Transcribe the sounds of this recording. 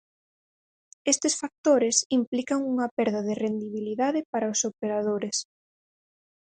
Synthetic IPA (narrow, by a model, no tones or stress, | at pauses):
est̪ɪsfak̚t̪oɾɪsimplikaŋuŋɐpɛɾðaðɪrend̪iβiliðaðɪpaɾaosopeɾað̞oɾes